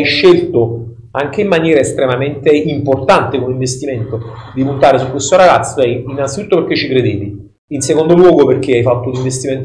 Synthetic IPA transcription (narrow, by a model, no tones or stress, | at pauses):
jʃːelt̪o | aŋk̟eimːanjɛːɾaest̪ɾemament̪eimport̪ant̪ekomiɱvest̪iment̪od̪ipunt̪aːɾesukwest̪oɾaɡat̪sːo̥ɛjinːansit̪u̥ːt̪ːoperk̟et͡ʃːikɾed̪eːvi | insekond̪olwɔːɡoperk̟eajfat̪ːouniɱvest̪iment̪